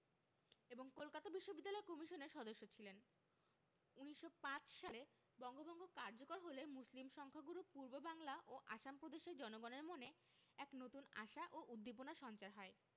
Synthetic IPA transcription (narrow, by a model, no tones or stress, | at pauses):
eboŋkolkat̪abiʃːobid̪ːalɔekɔmiʃoneɾʃɔd̪oʃːot͡ɕʰilen | uniʃːopãt͡ɕʃale | bɔŋɡobɔŋɡʱokaɾd͡ʑokoɾɦolemuslimʃɔŋkʰaɡuɾupuɾbobaŋlaʔoʔaʃampɾod̪eʃeɾd͡ʑɔnoɡɔneɾmone | ɛknot̪una̰ʃaʔoʔud̪ʱːip̬onaʃɔnt͡ɕaɾɦɔe